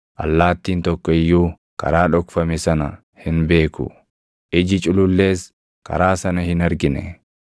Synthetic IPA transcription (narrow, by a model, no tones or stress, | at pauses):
ʔɐ̰lːaːt̪ːiːnt̪ɔkːɔɪjːuː | kɐ̰ɾaːᶑɔkfɐmɛsɐnɐ | hɪnbe̞ːkʊ̰ | ʔɪd͡ʒɪt͡ʃʼʊlʊlːe̞ːs | kɐ̰ɾaːsɐnɐhɪnɐɾɡɪnɛ̰